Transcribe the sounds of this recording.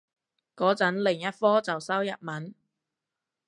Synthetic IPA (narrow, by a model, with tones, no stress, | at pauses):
kɔː˨˥t͡sɐ˨˥nlɪ˨˩ŋjɐ˥t̚fɔː˥t͡sɐ˨wsɐ˥wjɐ̰˨˩t̚mɐ˨˥n